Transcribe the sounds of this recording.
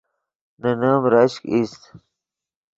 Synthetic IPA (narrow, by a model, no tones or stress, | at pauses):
nɐnamɾɐɕkist̪